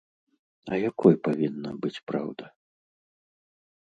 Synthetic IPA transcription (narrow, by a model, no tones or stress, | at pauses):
ɐjakɔjpavʲinːɐ̰bɨt͡sʲpɾa̰wd̪ɐ